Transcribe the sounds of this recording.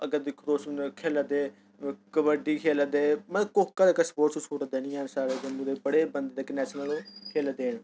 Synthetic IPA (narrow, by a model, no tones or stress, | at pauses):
əɡəɾd̪ɪkʰɾoːsnkʰeːlad̪eː | kəbəɖiːkʰeːləd̪eːməkoːkːad̪ekəspoːʈsuːt͡ʃʰoːʈd̪eːnĩːaːnsaːɾeːd͡ʒ̪ənːũd̪eːbəɽeːbənd̪d̪eːkənɛːt͡ʃnəloːkʰeːlad̪eːɳ